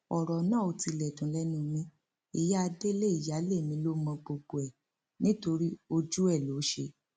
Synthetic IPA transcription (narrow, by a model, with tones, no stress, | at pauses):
ɔ˨ɾɔ˨nãː˦˨o˧ti˧lɛ˨dũ˨lɛ˦nũ˧mĩ˧ | i˨ja˦a˧de˦le˦i˨ja˨˦le˦˨mĩ˧˦lo˦mɔ̃˧ɡ͡bo˨ɡ͡bo˨ɛ˨ | nĩ˦to˧ɾi˦o˧d͡ʒu˦ɛ˦˨lo˨˦ʃe˧˦